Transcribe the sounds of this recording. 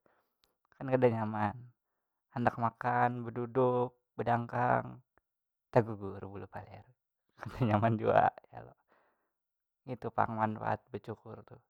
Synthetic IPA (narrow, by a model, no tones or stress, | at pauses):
kankadaɲaman | andak̚makanbəduduk̚bədaŋkaŋ | t̪aɡuɡurbulupalɛ̰r | kadaɲamand͡ʒua̰ja̰lo̰ | ɡit̪upa̰ŋmanpa̰t̪̚bət͡ʃukʊrt̪u